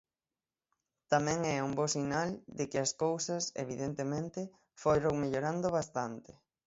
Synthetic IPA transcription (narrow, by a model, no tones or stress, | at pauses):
t̪amɛ̃ŋɛuŋbosinald̪ɪkɪɐskowsɐsḛβiðent̪emẽnt̪ɪ | fojɾoŋmeʎoɾand̪oβ̞ast̪ant̪ɪ